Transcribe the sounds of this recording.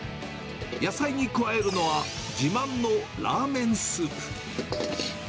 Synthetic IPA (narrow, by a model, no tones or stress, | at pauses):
jasaiɲ̟ikɯ̟βae̞ɾɯ̟no̞βa | d͡ʑimãnːo̞ | ɾa̰ːmẽ̞ɰ̃sɨːpɯ̥